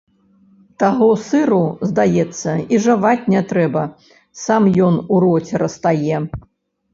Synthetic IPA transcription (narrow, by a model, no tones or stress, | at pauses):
t̪aɣɔsɨɾuzd̪ajɛt̪sːɐiʐavat͡sʲnʲɛt̪ɾɛbɐ | samjɔnuɾɔt͡sʲɛɾɐst̪ajɛ